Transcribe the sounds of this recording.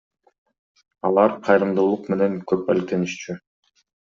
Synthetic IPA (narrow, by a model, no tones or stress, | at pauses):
ɑlˠɑɾqʰɑjɾɯmd̪oːlˠuqme̞ne̞ŋkøpælk̚t̪e̞niʃt͡ʃy